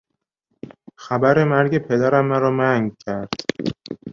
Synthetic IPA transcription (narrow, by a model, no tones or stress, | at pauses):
xæbæɾe̞mæɾɟe̞pʰe̞d̪æɾæmːæɾɒːmæŋɡcʰæɾd̪̥